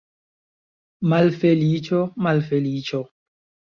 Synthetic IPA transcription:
malfelit͡ʃomalfelit͡ʃɔ

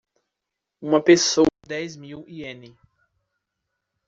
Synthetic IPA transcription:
ũmɐpesod̪ɛjzmiwiẽnɪ

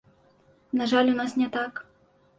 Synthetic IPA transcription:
naʐalʲunasnʲɛt̪ak

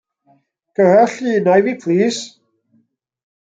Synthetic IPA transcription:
kʰəhəɬiːnajviːpʰliːs

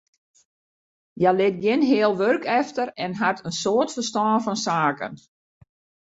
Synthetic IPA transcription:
jɛlɪt̚ɡjɪnɦɪːəlˠʋørkɛftəɾɛnɦatʰənsoːərtfərstɔːnfɔnsaːkə̰n

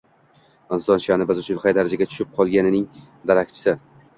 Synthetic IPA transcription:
ɪnzd̪ɒnʃanɪbɪzʊt͡ʃʰʊnχajd̪aɾad͡ʒaɡʲat͡ʃ̪ʰʊ̥ʃɪp̚qʰɒlˠɡʲanɪnɪŋ | d̪aɾakʲt͡ʃʰɪ̥sɪ

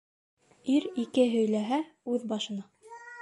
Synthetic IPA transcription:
iɾikɘɦɵ̆jlæɦæʉðbɑʃɤ̆nɑ

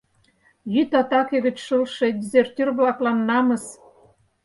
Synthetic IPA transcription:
jyt̪ɑt̪ɑkeɣɘ̆t͡ɕʃəlʃĕd̪ʲizert̪ʲirβlɑklɑnːɑmə̆s

